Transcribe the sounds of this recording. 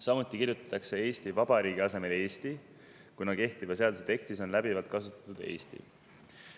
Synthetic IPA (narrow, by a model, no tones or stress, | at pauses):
sɑmut̪ːˑikiɾjut̪ɑ̥t̪ˑːɑkse̞e̞ːst̪ivɑb̥ɑɾiːɡiɑse̞me̞lie̞ːst̪i | kunɑke̞ht̪ivɑse̞ɑd̪uset̪e̞kt̪iso̞nlæb̥ivɑlt̪̚kɑsut̪ɑ̥t̪ud̪̥e̞̰ːst̪ḭ